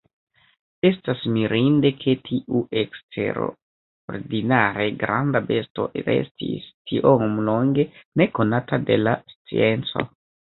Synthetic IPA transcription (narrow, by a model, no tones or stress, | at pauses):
e̞stasmiɾʔinde̞kʰe̞tʰiʔuʔekstʰe̞̰ɾo | o̰ɾdinaɾe̞ɡɾʔa̰ndabe̞sto̞̰ʔɾe̞̰stʰḭstʰiʔommloŋɡe̞ne̞ko̞natade̞̰last͡sḭe̞nt͡so̞̰